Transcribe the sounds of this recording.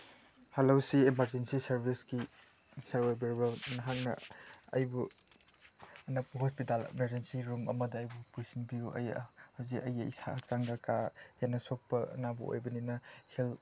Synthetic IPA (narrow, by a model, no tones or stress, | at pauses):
halowsiemaɾd͡ʒensisɐɾbʱisɡi | sɐɾojbiɾbɐnɐɦaŋnɐ̰ɐjbu | ɐnapɐɦɔspitalmeɾd͡ʒensiɾumɐmɐdɐːjbupujsinbijuɐ̰jhawzikɐjɐḭsʰa̰hak̚t͡ʃaŋɡɐkajanɐsok̚pɐɐ̰nabuo̰jbɐninɐhel